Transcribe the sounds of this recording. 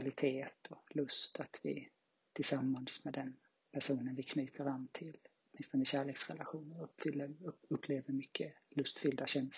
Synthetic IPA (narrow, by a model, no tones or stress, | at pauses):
alɪt̪ʰeːt̪ʰɔlɵst̪ʰat̪vɪ̰ | t̪ʰɪlsamːansmɛd̪ɛn | pʰæʂuːnənvɪkʰnyːt̪ʰəɾanːt̪ʰɪlɔt̪mɪnst̪ɔnəɕæːɭeːksɾɛ̰laɧuːnəɾfʏlːəɾɵpʰːleːvəɾmʏkʰːəlɵst̪fʏld̪aɕɛns